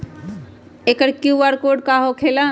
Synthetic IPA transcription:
ekəɾkjuʋaɾkoɖ̚kaɦokʰelə̃

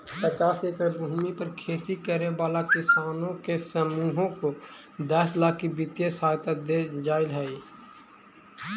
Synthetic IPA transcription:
pət͡ʃaːseːkəɾbʱuːmipəɾkʰeːt̪ikəɾeʋaːlakɪsaːnõkesəmuːɦõko | d̪əːslaːkːibɪt̪jesaːjt̪ad̪ed͡ʒaːɪlɦɛːiː

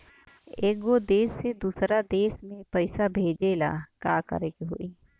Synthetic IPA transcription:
eːk̚ɡod̪eːsːed̪uːsɾad̪eːsmẽpəɪsabʱeːd͡ʒela̰ka̰ːkə̰ɾekiɦo̰ːi

